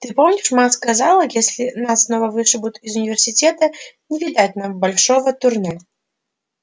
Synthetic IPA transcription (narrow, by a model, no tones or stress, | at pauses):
t̪ɨpomnʲɪʂmaskazalˠəjesʲlʲɪnasːnovəvɨʂɨbʊt̪iɪzʊnʲɪvʲɪrsʲɪtʲet̪ənʲɪvʲɪd̪at̚ʲnambɐlʲʂovət̪ʊrnɛ